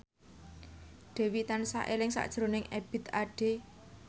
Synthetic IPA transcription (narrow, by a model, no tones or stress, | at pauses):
ɖ̪̥e̤wit̪ansa̰ʔelɪŋsa̰ʔd̥ʒ̥ɾo̤nɪŋeb̥i̤t̪aɖ̥e̤